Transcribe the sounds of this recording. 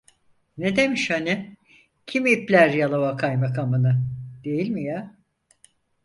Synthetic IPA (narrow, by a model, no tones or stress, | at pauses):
ned̪emiʃhani | cʰimiːplʲæɾjalˠavakʰajmakamɯnɯd̪̥e̞jilʲmija